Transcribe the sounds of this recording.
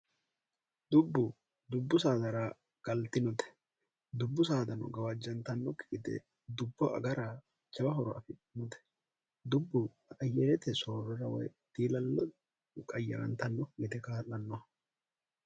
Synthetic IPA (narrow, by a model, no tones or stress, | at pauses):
d̪ʊbːʊ | d̪ʊbːʊs̬aːd̪ɐɾaː | ɡ̥ɐlt̪ɪnɔt̪ɛ̥ | d̪ʊbːʊsaːd̪ɐnɔ̰ɡɐwɐd͡ʒːɐnt̪ɐnːɔkɪkʼɪd̪ɛ̰ | d̪ʊbːɔʔɐ̰ɡɐɾaː | t͡ʃɐbɐɦɔɾɔɐfɪnɔt̪ɛ̥ | d̪ʊbːʊ | ɐjːɛɾɛt̪ɛsoːɾɔɾɐwɔ̰jt̪iːlɐlːɔ | kʼɐjːɐɾɐnt̪ɐnːɔɡɛt̪ɛkaːlːɐnːɔɐ